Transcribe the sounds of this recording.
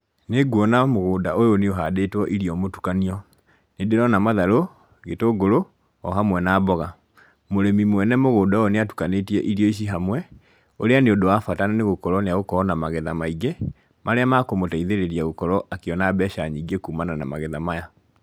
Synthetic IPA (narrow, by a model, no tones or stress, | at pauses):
neɡwɔnamoɣoːdaʔojoneoɦadetwɔʔiɾiɔmotu̥kaniɔ | nedeɾɔnamaðaɾo | ɣetoɡoɾo | ɔɦamwɛnaːbɔɣa | moɾɛmimwɛnɛmoɣoːdaojoneatu̥kanetiɛʔiɾiɔiɕ̬iɦamwɛ | oɾeaneodowafatananeɣokɔɾɔneaɣokɔnamaɣɛðamaiɡe | maɾeamakomotaiðeɾeɾiaɣokɔɾɔʔakeɔnabɛʃaɲiɡekumananamaɣɛðamaja